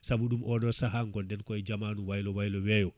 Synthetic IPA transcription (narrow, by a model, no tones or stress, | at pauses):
sabuɗumʔɔɗɔsaɦaŋɡɔndɛnkɔɛd͡ʒamanuwajlɔwajlɔwɛjɔ